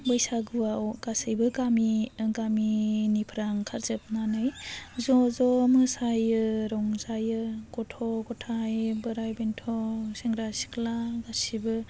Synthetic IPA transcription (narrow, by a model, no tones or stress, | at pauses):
bɯjsaɡuawɡ̥asɯjbɯɡamiɡaminipʰɾaŋkʰaɾzɯp̚nanɯjzɔzɔmɯsajɯɾɔŋzajɯɡɔtʰɔɡɔtʰajbɯɾajbentʰɔseŋɡɾasi̥klaɡasibɯ